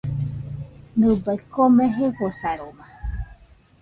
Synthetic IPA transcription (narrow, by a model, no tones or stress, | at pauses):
nd̪ɨbaikomẽɦeɸosaɾoma